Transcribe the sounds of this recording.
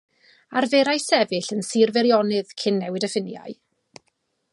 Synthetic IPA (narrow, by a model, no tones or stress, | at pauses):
arveɾajsɛvɨɬənsiːrvɛɾjɔnɨðkʰɪnːɛwɨdəfɪnja̰ɨ